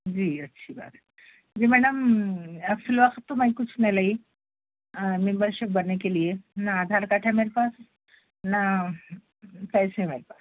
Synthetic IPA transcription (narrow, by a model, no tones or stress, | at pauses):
d͡ʑiːətːɕʰiba̰t̪ | d͡ʑim̤ɛɽ̃əm | filʋakt̪ːomaikut͡sʰnelai | membəɾɕek̚bəɾnakeliːjenaːd̪ʱaɾkaʈʰameɾpas | na | pɛjsemeɾpas